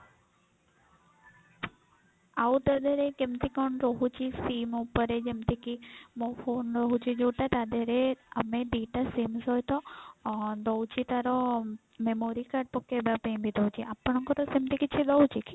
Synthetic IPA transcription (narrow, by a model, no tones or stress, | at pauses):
awt̪əd̪əɾekemt̪ikɔnɾɔɦut͡ʃisiːmupəɾed͡ʒemt̪ikimɔpʰoːnɾɔɦut͡ʃid͡ʒoːʈat̪ad̪əɾeəmeɖiːʈasimsɔjt̪ɔ | d̪ɔwt͡ʃit̪aɾɔ | memoɾikaɖ̚pɔkːebapẽbʱid̪ɔwt͡ʃiʔapːəɳɔŋkɔt̪ɔsemt̪ikit͡ʃʰid̪ɔut͡ʃiki